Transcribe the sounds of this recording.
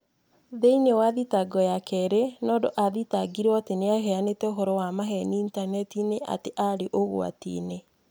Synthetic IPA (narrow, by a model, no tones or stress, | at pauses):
ðeinewaðitaɡɔjakɛɾenɔːdoʔaðitaɡiɾateneaɦɛanetɛoɦɔɾɔwamaɦɛniːntanɛtineʔa̰teʔaɾeʔoɣo̰a̰tḭːne